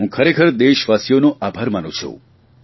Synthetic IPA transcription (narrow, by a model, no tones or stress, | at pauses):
ũkʰəɾekʰəɾd̪eʃʋasjonõʔabʱaɾmanṵ̃t͡ʃʰṵ